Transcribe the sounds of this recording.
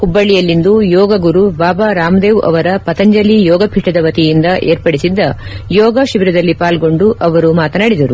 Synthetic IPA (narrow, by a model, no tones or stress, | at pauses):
kubːɐɭːijɐlːind̪ujɔːɡɐɡuɾubaːbaɾaːmd̪eːʋʔɐ̰ʋɐɾɐpɐt̪ɐɲd͡ʒɐlijɔːɡɐpʰiʈɐd̪ɐʋɐt̪ijind̪ɐʔeːɾpɐɽisid̪ːɐjɔːɡɐʃiʋiɾɐd̪ɐlːipaːlɡo̞ɳɖuʔɐʋɐɾumaːt̪ɐnaːɽid̪ɐɾu